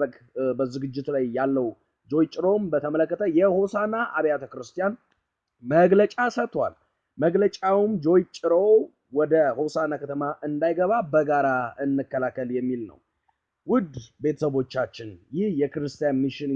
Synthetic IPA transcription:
əkbəzɨɡɨd͡ʒːɪt̪lajːalːəw | d͡ʒo̞jt͡ʃʼːɪɾo̞mbət̪ʰəmələkːət̪ʰəjɛho̞sanaʔaβijat̪ʰəkɾɨst̪ʰijan | məɡlət͡ʃʼasət̪ʰːwa̰l | məɡlət͡ʃʼawumd͡ʒo̞jt͡ʃʼːɪɾo | wɔd̪əho̞sanakʰət̪ʰəmaʔɨnd̪ajɡəβabəɡaɾaɨnːɨkːəlakːəljɛmːilnə̰w | wʊd̪be̞t̪ʰə̥səβo̞t͡ʃːat͡ʃːɪnjɪhjɛkɨɾɨst̪ʰijanmiʃɪn

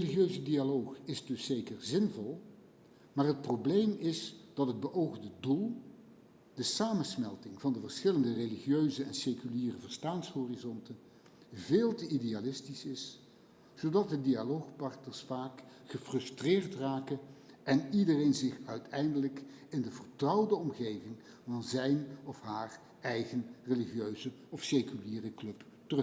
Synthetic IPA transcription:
eliχjøɥzədialowχɪzdɵsːejkərzɪnvɔlˠ | maːrɦət̚problejmɪsd̥ɑtɦəd̚bəʔowχndədulˠ | d̥əsaːmənsmɛlˠtɪŋvɑndəvəɹsχɪləndəreliχiøɥzəɛ̰nsejkyliːrəvəɹstaːnsɦoːrizɔntə | veːlˠtəidealɪstisɪs | z̥owdɑt̚dədialowχpɑɹtnəɹsfaːkχəfrɵstrɪːrtraːkənɛnidərejnzɪχœɥtɛjndələk | ɪndəvərtrʌwdəɔmχejvɪŋ | vɑnzɛjnɔfɦaːr | ɛjɣənreliχijøɥzəɔfsekyliːrəklɵp | tər

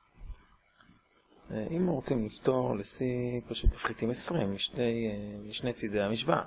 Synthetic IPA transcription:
ʔimʁot͡simlift̪o̞ʁlesipaʃut̪mafχit̪imesʁimːiʃnejmiʃnejt͡sidejamiʃva̰

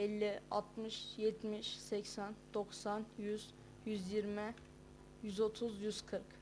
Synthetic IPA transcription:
ɛlʲːia̰t̪ʰmɯʃjɛt̪ʰmiʃsɛcsænd̪̥oksanjyz̥ | jyzjiɾmɪ | jyzo̞t̪ʰuzjyz̥kʰɯɾk

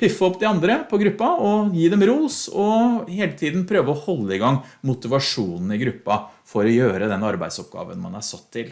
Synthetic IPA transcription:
pʰɪfːəɔpːd̪ɪɑnd̪ɾəpʰɔɡɾʉpːɑɔjiːd̪ɛmɾuːsɔheːlət̪ʰiːd̪npʰɾøːʋəɔhɔlːəɪɡɑŋːmʊt̪ɪʋɑʂuːnn̩ɪɡɾʉpːɑfɔɾɔjøːɾəd̪ɛnɑɾbæ̰ɪsɔp̚ɡɑ̰ːʋə̰nmɑ̰næ̰sɑt̪ʰːɪl

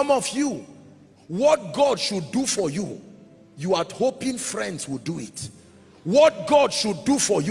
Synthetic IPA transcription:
ɔ̃mɔvju | wɔt̚ɡɔdʃudufɔju | juadhopĩŋfɹɛ̃ndswiduit | wɔt̚ɡɔdʃudufɔj

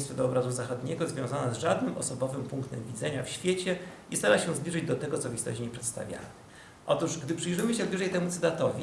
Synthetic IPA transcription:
st̪fɛd̪ɔːbɾazuzaxɔd̪ɲɛɡɔzvʲjɔ̃w̃zanazʐad̪nɘmʔɔsɔbɔvɘmpuŋkt̪ɛmvʲid̪zɛɲafɕfʲjet͡ɕɛist̪aɾaɕɛ̃w̃zblʲiʐɘd͡ʑd̪ɔt̪ɛɡɔt̪sɔvist̪ɔ̰ɕt͡ɕiɲɛpʂɛt̪st̪a̰vʲja̰nɛ | ʔɔt̪uʂɡd̪ɘpʂɘjʐɘmɘɕɛvlʲuʐɛjt̪ɛmut̪sɘt̪at̪ɔvʲi

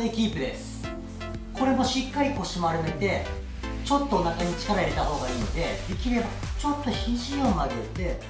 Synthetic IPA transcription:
ekʲiːpɯ̟d̪e̞sɨ̥ | ko̞ɾe̞mo̞ɕikːaɾʲiko̞ɕimoaɾɯmet̪e̞ | t͡ɕo̞t̪ːo̞ːnakaɲ̟it͡ɕi̥kaɾaiɾe̞t̪aho̞ːɡaiːno̞d̪e̞d̪ekʲiɾe̞bat͡ɕo̞t̪ːo̞çiʑiomad̪eɯt̪ːe̞

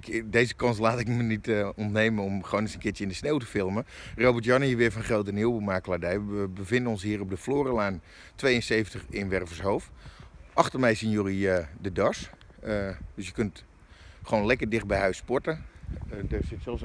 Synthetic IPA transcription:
deːzəkɑnslaːtɪkmənitɔntneːmənɔmχəoːnɪsənkɪtjəɪndəsneːwtəfɪlˠməroːbərtjɔnhiəʋɪəfɔnχrowtəniəwbumaːkladɛjʋəbəvɪndənɔnsɦiːəɾɔb̚dəfloːrəlaːn | tʋejənseːfəntəχɪnʋɛrvəɹsɦoːfʔɑxtərmɛjsinjoriədədɔs | døsjəkønt | χʋoːnlɛkərdɪχt̚bɛjhœɥspɔɹtə | dəsɪtsɛlˠs

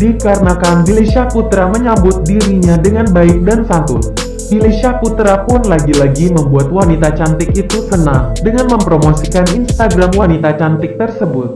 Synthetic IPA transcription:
dikaɾənakannilesiakut̪ɾaməɲambʊt̪̚diɾiɲadəŋanbaɪk̚dansant̪ʊ̰n | dilesiakut̪ɾapʊnlaɡilaɡiməmbuat̪̚wanit̪at͡ʃant̪ɪkit̪usənaŋdəŋanməmpɾomosikaninst̪aɡɾamwanit̪at͡ʃant̪ɪk̚t̪ərsəbʊt̪̚

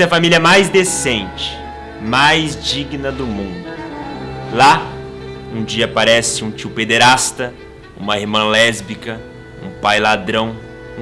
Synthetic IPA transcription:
ɐfamiljɐmajzd̪esẽnt͡ʃɪ̥ | majzd͡ʒiɡnɐd̪ʊmũnd̪ʊ | la | ũd͡ʒiɐːpaɾɛsɪũt͡ʃiwped̪eɾast̪ɐ | ṵ̃mɐeɾmɐ̃lɛzbikɐ | ṵ̃pajlad̪ɾɐ̃w̃

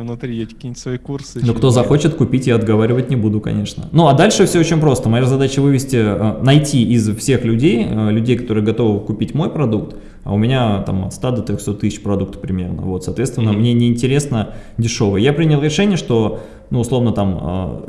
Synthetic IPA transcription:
vnʊt̪ɾʲijakɐ̥kʲiːnt̪ʲsvɐikursnokt̪o̞zɐxo̞t͡ɕɪt̪kʊpʲitʲjaɐd̪ɡɐvaɾʲɪvətʲnʲɪbud̪ʊkɐ̰nʲe̞ʂnə̰nuɐd̪alʲʂɨfsʲoot͡ɕɪnʲpɾo̞st̪əmɐjazɐd̪at͡ɕəvɨvʲɪsʲtʲɪənɐjtʲiɪzfsʲe̞xlʲʉdʲejəlʲʉdʲejkɐt̪o̞ɾɨjəɡɐt̪o̞vəbkʊpʲitʲmojpɾɐd̪uk̚t̪ | ɐ̰ʊmʲɪnʲat̪a̰mɐ̰t̪st̪ad̪ot̪ɾʲoxso̞t̪ːɨsʲɪ̥t͡ɕpɾɐd̪ukt̪ə̥pɾʲɪmʲernə̰vo̞t̪sɐt̪vʲest̪vʲɪnːəmnʲenʲɪɪnʲtʲɪɾʲe̞snədʲɪʂo̞vɨjəjapɾʲinʲɪlˠɾʲɪʂɛnʲɪjəʂt̪o̞ | nuʊslˠo̞vnət̪amə̰

